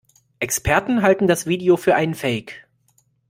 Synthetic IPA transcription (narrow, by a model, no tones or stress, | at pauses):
ʔɛkspʰɛɐtn̩ɦaltn̩dasv̥iːdeofyːɐʔaɪnənfɛɪk